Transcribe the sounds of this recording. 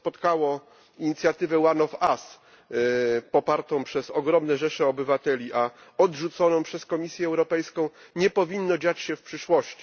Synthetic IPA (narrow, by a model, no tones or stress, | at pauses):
pɔt̪kawɔ | iɲit̪sʲjat̪ɘvɛwanɔfas | pɔpaɾt̪ɔ̃w̃pʂɛzɔɡɾɔmnɛʐɛʂɛɔbɘvat̪ɛlʲiʔaɔdʐut̪sɔnɔ̃w̃pʂɛskɔmʲisʲjɛːwɾɔpɛjskɔ̃w̃ | ɲɛpɔvʲinːɔd͡ʑat͡ɕɕɛfpʂɘʂwɔɕt͡ɕi̥